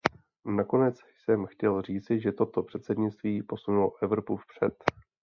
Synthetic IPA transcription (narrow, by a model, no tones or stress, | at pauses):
nako̞nɛt͡sjsɛmxcɛlriːt͡sɪʒɛt̪o̞t̪o̞pr̥ɛt̪sɛdɲɪt͡st̪viːpo̞sunuloʔɛvɾo̞pufpr̝̥ɛt̪